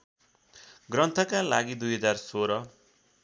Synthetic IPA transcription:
ɡrʌnt̪ʰʌkalaɡid̪ujɦʌd͡zarsoɾʌ

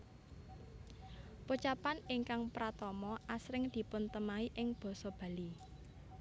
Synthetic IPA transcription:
put͡ʃapanɪŋkaŋpɾat̪ɔmɔʔasɾɪŋd̪̥i̤pʊnt̪əmaiʔɪŋb̥ɔ̤sɔb̥ä̤li

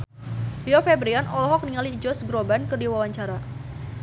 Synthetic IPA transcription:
liɔfɛbɾianʔɔlɔɦɔk̚niŋalid͡ʒɔsɡɾobankərdiwawaɲt͡ʃaɾa

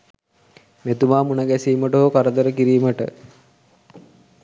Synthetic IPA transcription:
met̪umaːmunəɡæsiːməʈoɦokaɾəd̪əɾəkiɾiːməʈə̰

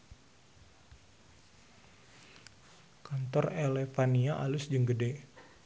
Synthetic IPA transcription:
kant̪ɔrelefaniaʔalʊsd͡ʒəŋɡəde

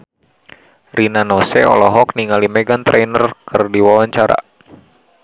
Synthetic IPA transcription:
ɾinanɔsɛ̰ɔ̰lɔɦɔk̚niŋalimɛɡant̪ɾɛnərkɨrdiwawaɲt͡ʃaɾa̰

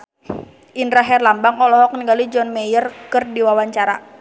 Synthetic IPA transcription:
ʔinɾaɦɛrlambaŋɔlɔɦɔk̚niɡalid͡ʒɔnmɛjərkɨrdiwawaɲt͡ʃaɾa̰

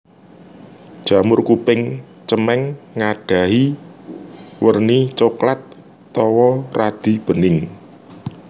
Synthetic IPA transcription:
ʒ̥a̤mʊrkupɪŋ | t͡ʃəmɛŋːaɖ̥a̤ɦi | wərnit͡ʃoklat̪ː | ɔwɔrad̪̥i̤b̥ə̤nɪŋ

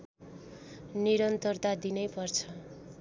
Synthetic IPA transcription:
niɾʌnt̪ʌrt̪ad̪inʌjpʌrt͡sʰʌ

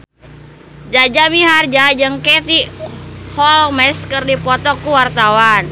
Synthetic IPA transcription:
d͡ʒad͡ʒamiɦard͡ʒad͡ʒɨŋkɛt̪i | hɔlmɛskɨrdipɔt̪ɔkuwart̪awan

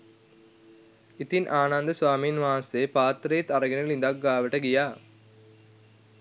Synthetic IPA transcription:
it̪inʔaːnand̪əsʋaːminʋaːɐnseːpaːt̪ɾejet̪ɐɾɐɡenelind̪ak̚ɡaːʋəʈəɡijaː

